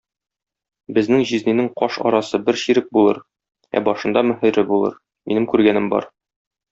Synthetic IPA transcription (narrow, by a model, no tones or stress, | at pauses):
bɘ̆znɘŋʑizninɘŋqɒʃɒ̰ɾɑsɤbɘɾɕiɾɘk̚bulˠɤ̰ɾ | æ̰bɒʃɤ̆nd̪ɑmɵ̆ɦɘ̆ɾɘbulˠɤ̰ɾ | minɘmkʉɾɡænɘmbɒ̰ɾ